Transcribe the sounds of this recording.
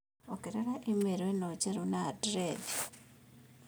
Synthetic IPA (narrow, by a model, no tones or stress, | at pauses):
okiɾeɾaʔemeɾwenot͡ʃeɾunadɾedi